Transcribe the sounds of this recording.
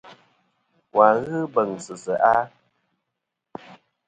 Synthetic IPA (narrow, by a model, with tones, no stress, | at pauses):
kwa˨ɣɨ˦bə˨ŋsɨ˨sə˨ʔa˦